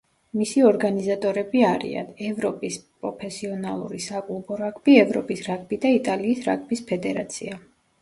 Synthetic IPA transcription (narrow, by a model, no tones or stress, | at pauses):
misiɔɾɡanizat̪ʼɔɾɛbiaɾḭa̰nɛvɾɔpʼispʼɾɔpʰɛsiɔnalˠṵɾisakʼulˠbɔɾakʼʰbiɛvɾɔpʼisɾakʰbid̪ait̪ʼaliːsɾa̰kʰʼbispʰɛd̪ɛɾat̪sʰḭa